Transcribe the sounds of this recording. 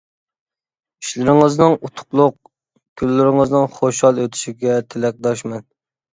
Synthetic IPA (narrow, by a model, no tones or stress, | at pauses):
i̥ʃlɪɾɪŋəznɨŋut̪ʰʊ̥qlˠʊq̚ | kʲʰylːɪɾɪŋəznɪŋχoʃhɑlˠøt̪ʰy̥ʃiɡʲɛt̪ʰɪlɛk̚ʲd̪ɑʃmɛn